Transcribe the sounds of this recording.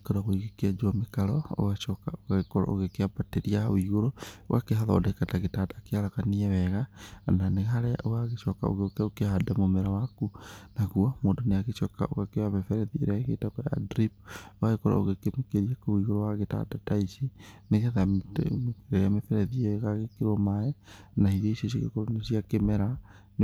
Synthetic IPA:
kɔɾaɣoiɣekiad͡ʒwamekaɾɔo̰ɣaʃɔkaoɣaɣekɔɾa̰ʔoɣekeapateɾiaawiɣoɾooɣa̰keɦaðɔ̰ːdakataɣetatakeaɾakaniɛβɛɣananeɣaɾɛa̰ʔoɣaɣeʃɔkao̰ɣeokɛokehadamomɛɾawakunaɣuamoːndɔneaɣeʃɔka̰oɣakewamɛfɛɾɛðieɾeaɣḛtakɔja̰dɾip̚owaɣekoɾa̰oɣekemekeɾiakowiɣoɾowaɣeta̰dataisineɣɛðammkeamɛfɛɾɛðiɛɣaɣekeɾɔmaɛnaiɾeisios̬eɣḛkoɾonesiakemɛɾa | n

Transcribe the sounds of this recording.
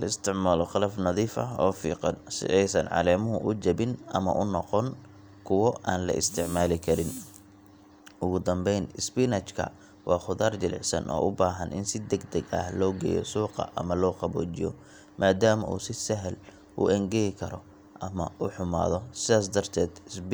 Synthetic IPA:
lɐɪst̪ʰɪʕmaːlɔχɑlɐfnɑðiːfɐɔ̰ːfḭːqɑnsɪ̰ʔɛjsɐnʕɑ̰lɛːmʊɦʊʔʊt͡ʃɐbɪnʔɐmɐ̰ʔʊnɔqɔn | kʰʊwɔʔaːnlɐ̰ʔɪ̰st̪ʰɪʕmaːlɪkʰɐɾɪn | ʊɣʊd̪ɐmbɛjnɪspinɐt͡ʃkʰɐ̰ | wʔɑːχʊðaːrt͡ʃɪlʕɪ̰sɐ̰nʔɔ̰ːʔʊbaːɦɐnɪ̰nsɪd̪ɐɡd̪ɐɡɐ̰hlɔːɡɛ̰ːjɔ̰suːqɑ̰ʔɐ̰mɐlɔːqɑbɔ̰ːt͡ʃɪjɔ̰ | mʔaːd̪aːmɐʔṵːsɪsɐɦl | ʔʊ̰ʔɛŋɡɛjɪkʰɐɾɔ | ʔɐmɐuħʊma̰ːðɔsɪðaːs̬d̪ɐrt̪ʰɛːd̪s

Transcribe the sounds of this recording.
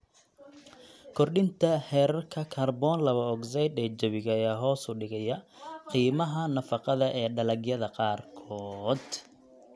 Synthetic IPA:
kʰɔrɗɪnt̪ʰɐhɛːɾɐrkʰɐkʰaːrbɔːnlɐβɐɔɡzɛjd̪ɛːd͡ʒɐβɪɣɐjaːɦɔːsʊɖɪɣɛjɐ | qiːmɐɦɐnɐfɑqɑðɐʔɛːɖɐlɐɡjɐðɐqɑːrkʰɔːd̪

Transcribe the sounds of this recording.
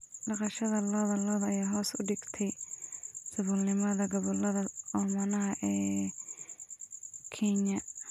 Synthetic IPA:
ɖɑqɑʃɐðɐlɔːðɐlɔːðɐjaːɦɔːsʊ̰ɖɪɡt̪ʰɛj | sɐβɔlnɪmɐðɐɡɔβɔlɐðɐɔmɐnɐɦɐʔɛː | kʰɛɲɐ

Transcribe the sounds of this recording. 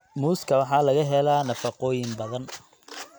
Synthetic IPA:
muːskʰɐwɑħɑːlɐɣɐɦɛlaːnɐfɐqɔːjɪmbɐðɐn

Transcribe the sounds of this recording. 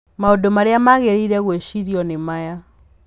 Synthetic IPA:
maodomaɾeamaɣeɾiɾɛɣweɕiɾiɔnemaja

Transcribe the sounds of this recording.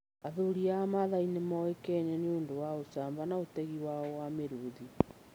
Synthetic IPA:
aðuɾiamaðainemɔekɛɲɛneoːndowaosaːmbanaotɛɣiwaɔwameɾuði

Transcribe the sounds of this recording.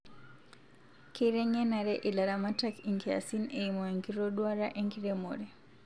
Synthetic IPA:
kiɾɛŋɛnaɾɛʔilaɾamatakiŋkʰɛa̰sineimɔɛŋɡiɾɔɗwaɾaʔeŋkiɾɛmo̰ɾɛ

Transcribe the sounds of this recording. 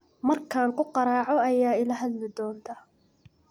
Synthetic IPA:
mɐrkʰaːŋkʰʊqɑɾaːʕɔɐjaːɪlɐɦɐd̪lɪd̪ɔːnt̪ʰɐ

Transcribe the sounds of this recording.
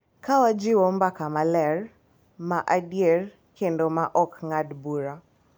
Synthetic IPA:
kawad͡ʒiwɔmbakamalɛɾ | maʔadiɛɾ | kɛndɔmaʔɔkŋadbuɾa

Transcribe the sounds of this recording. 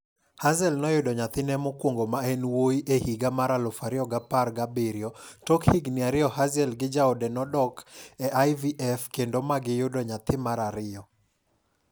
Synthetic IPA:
hazɛlnɔjʊdɔɲat̪ɪnɛmɔkwoŋɡomaɛnwoiʔehiɡamaɾalʊfaɾɪɔɡaparɡabeɾjɔtɔkhɪɡnɪaɾɪɔhazɛlɡɪd͡ʒaodɛnɔdɔkɛʔajviʔɛfkendomaɡɪjʊdɔɲat̪ɪmaɾaɾɪɔ

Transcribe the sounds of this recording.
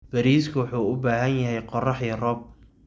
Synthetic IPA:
b̥ɐɾiːskʰʊwʊħuːʊbaːɦɐnjɐɦɛjqɔrɑħiːrɔb̚

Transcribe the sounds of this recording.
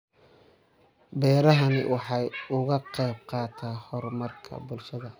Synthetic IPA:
bɛːɾɐɦɐnɪ̰wʔɑħɑjʊɣɐqɛjb̚qɑːt̪ʰaːhɔrmɐrkʰɐ̰bʊlʃɐðɐ

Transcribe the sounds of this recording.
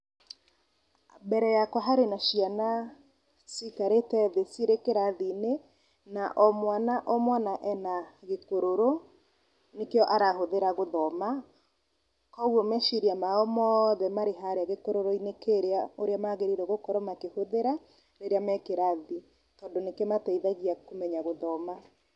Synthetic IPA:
bɛɾɛjakwaɦaɾenaʃiana | sikaɾetɛðesiɾekeɾaðine | naʔɔmwanaʔɔmwanaʔɛnaɣekoɾoɾo | nekeɔʔaɾahoðeɾaɣoðɔma | kɔɣɔmɛʃiɾiamaɔmɔðɛmaɾeɦaɾeaɣekoɾoɾoinekeɾeaoɾeamaɣeɾiɾɛɣokɔɾɔmakehoðeɾa | ɾeɾeamɛkeɾaði | tɔːndonekɛmatɛiðaɣiakomɛɲaɣoðɔma

